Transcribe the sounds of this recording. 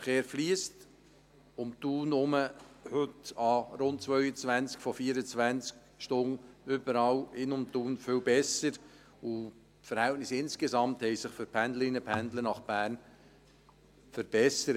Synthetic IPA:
χeːɾfliːst | ʊmt̪uːnʊməhʏtɑɾʊntt͡sʋœʏɥət͡sʋænt͡skfɔfiəɾət͡sʋænt͡sk | ʃtʊŋʏbəɾɑwɪnʊmt̪uːnfʏlbɛsəɾ | u | fəɾhæltnɪsɪnskezɑmthɛɪsɪχfʏɾpʰænd̪ləɾɪnəpʰænd̪lənɑχb̥æːɾn | fəɾb̥ɛsəɾ

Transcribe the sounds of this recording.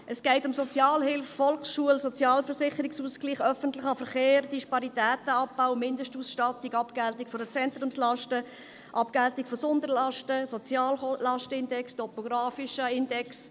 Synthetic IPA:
ʔəsɡ̥ɛɪtʊmsɔt͡sjɑːlhɪlffɔlχsʃuəlsɔt͡sjɑːlfəɾsɪχəɾɪksuːskliːχœfənt̪lɪχɑfəɾχeːɾdiʃpɑɾitæːtəɑp̚baʊmɪndəʃtuːsʃtɑtiɡɑpɡ̥æltikfɔdət͡sɛnt̪rʊmslɑʃtə | ʔɑpɡ̥ɛltikfɔsʊnd̪əɾlɑʃtəsɔt͡sjɑːllɑʃtəɪndɛkstɔpoɡɾɑːfɪʃəɪndɛks

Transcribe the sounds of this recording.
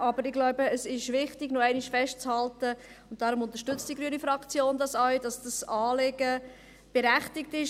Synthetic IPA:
ʔɑbəɾɪɡ̥lɔʊbəːsɪʃʋɪχtɪɡ̥noɛɪnɪʃfɛʃtt͡shɑltə | ʊnt̚d̥ɑɾʊmʊntə̥ʃtʏt͡std̥iɡɾyənifɾɑkt͡sjoːndɑsɑɥd̥ɑsd̥ɑsɑːlɪɡə | b̥ɛɾæχtɪk̚tɪʃ

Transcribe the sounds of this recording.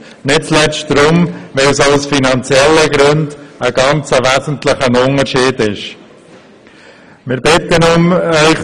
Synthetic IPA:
nɪt̚t͡slɛt͡ʃt̚d̥ɾʊmʋɛlsaʊsfinɑnt͡sjɛlːəɡɾøndəɡ̥ɑnt͡səʋæzən̩tləχənʊnəɾʃiːdɪʃ | mɪɾbɪt̪ənʊmœʏχ

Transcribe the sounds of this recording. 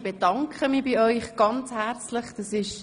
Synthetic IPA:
b̥edɑŋkχəmiːbiœʏχɡ̥ɑnt͡shæɾt͡sləχd̥ɑsɪʃ

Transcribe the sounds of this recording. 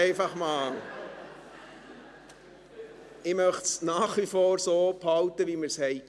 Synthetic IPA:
ɛɪfɑχmɑːl | ɪmœχtsnɑːχʋifoːɾsoːphɑlt̪əʋiməɾshɛɪ

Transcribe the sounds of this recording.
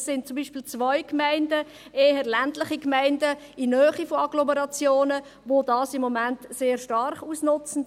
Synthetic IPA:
ssɪnt̚t͡sumbiːʃpiːlt͡sʋœʏkmæɪndə | eːɦəɾlæntlɪχikmæɪndə | inœːχifɔɑɡlɔməɾɑt͡sjoːnə | ʋodɑːsɪmːɔmæntseːɾʃtɑrχuːsnʊt͡sən̩

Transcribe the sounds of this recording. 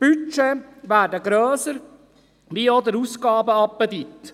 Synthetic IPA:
b̥yt͡ʃeʋæːdəɡɾøːsəɾ | ʋiod̪əɾusɡɑːbəɑpːəd̪it̪

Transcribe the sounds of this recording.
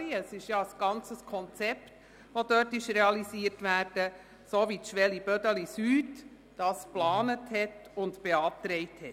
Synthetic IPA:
iəsɪʃjɑəsɡ̥ɑnt͡səskʰɔnt͡sɛpt | ʋodœtɪʃɾɛɑlisiːəɾtʋæːɾd̥ə | soːʋitʃʋɛlib̥œdəlisyːt | d̥ɑːsplɑːnəthɛtʊntb̥eɑːtɾɛɪthɛt

